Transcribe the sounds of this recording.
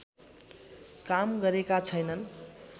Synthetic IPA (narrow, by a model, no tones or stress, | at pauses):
kamɡʌɾekat͡sʰʌjnʌn